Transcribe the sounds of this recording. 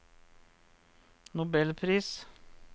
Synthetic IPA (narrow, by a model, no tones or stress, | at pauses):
nʊbɛlpʰɾiːs